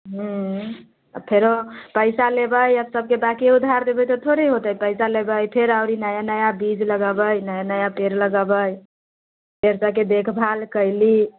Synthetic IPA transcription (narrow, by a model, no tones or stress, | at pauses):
ɦũ | əpʰeɾopəɪsalebəjəbsəb̚kebakiud̪ʱːaɾd̪ebəjt̪ɔt̪ʰoɾiɦot̪əjpəɪsalebəjpʰeɾaʊɾinəjanəjabid͡ʒləɡəbəjnəjanəjapeɾləɡəbəj | peɾsəked̪ekʰbʱalkəɪli